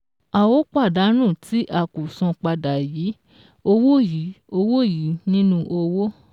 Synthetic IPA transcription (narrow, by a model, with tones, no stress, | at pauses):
a˨wo˨˦k͡pa˦˨da˨˦ñũ˦˨tʰi˦ʔa˦˨ku˨sɔ̃˧k͡pa˧da˨ji˨˦ | o˧wo˦ji˨˦o˧wo˦˨ji˨˦nĩ˦nũ˧ʔo˧wo˦